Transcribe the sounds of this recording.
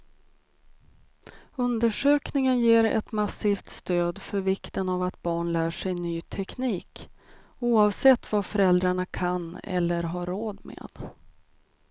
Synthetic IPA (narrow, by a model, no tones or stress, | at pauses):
ɵnd̪əʂøːknɪŋənjeːɾɛ̰t̪masiːft̪st̪øːd̪fœɾvɪkt̪ənavat̪̚bɑːɳlæːʂɛjnyːt̪ʰɛkniːk | uːɑːvsɛt̪ːvafœɾɛld̪ɾaɳakʰanɛ̰lːəɾɦaɾoːd̪mḛːd̪̥